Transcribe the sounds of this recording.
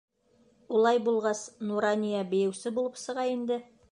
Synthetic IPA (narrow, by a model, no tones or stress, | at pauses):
ulˠɑjbulˠʁɑsnuɾɑnʲijabɘ̆jɘ̆wsɘbulˠɤpsɤ̆ʁɑjind̪ɘ